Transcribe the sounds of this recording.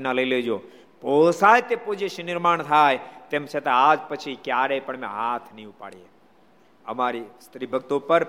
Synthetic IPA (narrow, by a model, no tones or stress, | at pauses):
naləiled͡ʒo | posajt̪epod͡ʒeʃnɪɾmaɳ̃t̪ʰajt̪emt͡ʃʰet̪aad͡ʒpət͡ʃʰikjaɾejpəɳmḛ̃ɦat̪ʰnəĩupa̰ɽije | əmaɾist̪ɾibʱəɡt̪opəɾ